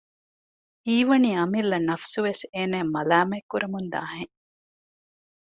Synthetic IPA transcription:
iːʋɐniːɐmilːɐnɐfsuʋeseːnæːmɐlaːmɐkːuɾɐmund̪a̰ːɦẽŋ

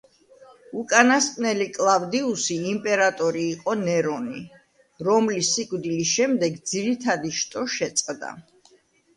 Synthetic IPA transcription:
ukʼanast̪ʼnɛlikʼlˠavd̪iusiːmpʼɛɾat̪ʼɔɾiːqʼɔnɛɾɔni | ɾɔmlisːikʼvd̪ilisʃɛmd̪ɛɡd̪ziɾit̪ʰad̪iʃt̪ʼɔʃɛt̪sʼqʼd̪a̰

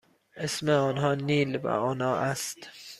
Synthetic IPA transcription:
ʔesmeɒːnɦɒːniːlvæ̰ɒːnɒːʔæst̪

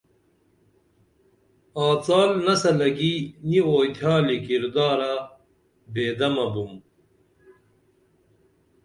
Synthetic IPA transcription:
aːt͡saːlnɐsɐlɐɡinioːjt̪ʰjaːlikiɾd̪aːɾa | beːd̪ɐmɐbum

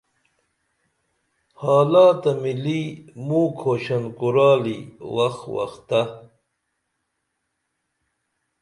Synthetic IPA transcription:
hɑːlɑːt̪ɐmilimuːkʰoːɕɐnkuɾɑːlḭwɐxwɐ̰xt̪a

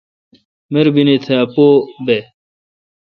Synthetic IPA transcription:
meɾbinit̪ʰeɐpoːbe

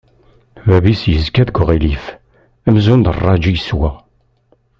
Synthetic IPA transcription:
wæbisjəzkæðɡʊʁilif | æmzund̪ərˤːɑd͡ʒijəswæ

